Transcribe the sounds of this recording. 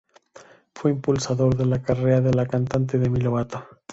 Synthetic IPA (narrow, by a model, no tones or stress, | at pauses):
fweimpulsaðo̞ɾðe̞lakareaðe̞lakant̪ant̪̬eðemiloβat̪a